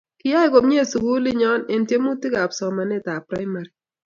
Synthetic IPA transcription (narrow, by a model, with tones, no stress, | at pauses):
kɪ˦ja˦i˨˦ko˨mɲe˦˨su˨ɡu˦lɪ˦ɲɔ˦ne˨ntje˦mu˦ti˦ɡa˨psɔ˨ma˨nɛ˦˨ta˨pɾa˦ɪ˦ma˨ɾi˨